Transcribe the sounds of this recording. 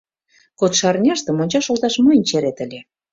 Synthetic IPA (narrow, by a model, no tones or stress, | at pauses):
kot̪ʃɑrnʲerʃt̪ə̆monʲt͡ɕɑʃolt̪ɑʃmɤjənʲt͡ɕeɾet̪ə̆lʲe